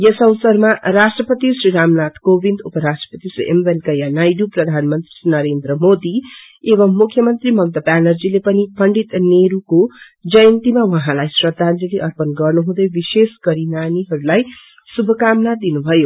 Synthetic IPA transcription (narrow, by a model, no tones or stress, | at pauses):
jʌsʌwsʌrmaɾasʈrʌpʌt̪isriɾamnat̪ʰkobind̪upʌɾasʈrʌ̥pʌt̪isrḭʔembenkʌjanajɖuprʌd̪ʱanmʌnt̪rinʌɾend̪ɾʌmod̪i | eβʌmːukʰjʌmʌnt̪rimʌmt̪ʌpanʌrd͡zilepʌnipʌɳɖit̪neɾuko | d͡zʌjʌnt̪imawʌɦãlajsrʌd̪ʱant̪iliʔʌrpʌnɡʌrnuɦũd̪ʌjbiseskʌɾinaniɦʌɾulaj | subʱʌkamnad̪inubʱʌjo